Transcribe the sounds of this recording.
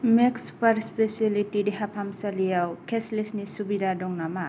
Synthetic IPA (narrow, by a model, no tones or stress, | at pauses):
meksu̥paɾspesilitidiɦapʰamsalijawkʰeslisnisubidadɔŋnama